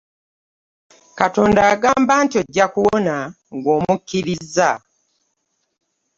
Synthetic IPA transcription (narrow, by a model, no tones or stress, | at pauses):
kato̞ːndaːɡaːmbantioɟːakuwona | ŋɡoːmukːiɾizːa